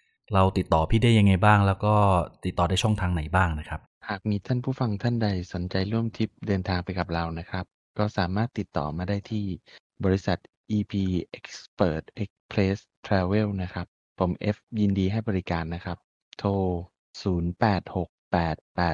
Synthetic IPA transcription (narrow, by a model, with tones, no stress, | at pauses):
ɾa˧wt̪i˨˩t̪ːɔː˨˩pʰiː˥˩da˥˩ja˧ŋːa˧jbaː˥˩ŋlɛː˦˥wkɔː˥˩t̪i˨˩t̪ːɔː˨˩daː˥˩jt͡ɕʰɔ˥˩ŋt̪ʰaː˧ŋna˨˩˦jbaː˥˩ŋna˦˥kʰɾa˦˥p̚haː˨˩k̚miː˧t̪ʰaː˥˩npʰuː˥˩fa˧ŋt̪ʰa˥˩nda˧jso˩˦nt͡ɕa˧jɾu˥˩əmt̪ʰi˦˥p̚dɤː˧nt̪ʰaː˧ŋpa˧jka˨˩p̚ɾa˧wna˦˥kʰɾa˦˥p̚ | kɔː˥˩saː˩˦maː˥˩t̪ːi˨˩t̪ːɔ̰ː˨˩maː˧daː˥˩jt̪ʰiː˥˩ | bɔː˧ɾi˦˥sa˨˩t̪̚ | ʔiː˧pʰiː˧ʔe˦˥k̚spɤː˨˩t̪̚ʔe˦˥k̚pʰleː˦˥s | t̪ʰɾɛː˧we˥˩wna˦˥kʰɾa˦˥pʰːo˩˦mʔe˦˥fji˧ndiː˧ɦa˥˩jbɔː˧ɾi˦˥kaː˧nːa˦˥kʰɾa˦˥p̚ | t̪ʰoː˧ | suː˩˦npɛː˨˩t̪̚ho˨˩k̚pɛː˨˩t̪̚pɛː˨˩t̪̚